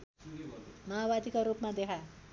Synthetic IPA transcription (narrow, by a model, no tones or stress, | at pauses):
maɦabad̪ikoɾupmad̪ekʰa